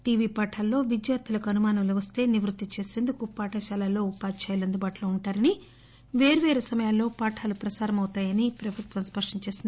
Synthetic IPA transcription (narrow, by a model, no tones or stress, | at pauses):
ʈiːʋiːpaːʈʰalːo̞ːʋid͡ʒjaːɾt̪ʰilɐkuɐnumaːnɐmloʋɐst̪e̞ːniʋɾut̪ːit͡ʃe̞ːse̞ːnd̪ukupaːʈʰɐʃaːlalːo̞ːupaːt͡ʃaːjulɐnd̪ubaːʈloːuɳʈaːɾɐni | ʋe̞ːɾuʋe̞ːɾesɐmɐjaːlːo̞ːpaːʈʰaːlupɾɐsaːɾɐmɐwt̪aːjɐnipɾɐbʱut̪ʋɐmspɐʂʈɐɲt͡ʃe̞ːsind̪